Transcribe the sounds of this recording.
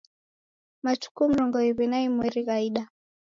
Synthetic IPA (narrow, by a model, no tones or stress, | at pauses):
mat͡ʃu̥kum̩ɾɔŋɡɔiβinaimwiɾiɣaiɗa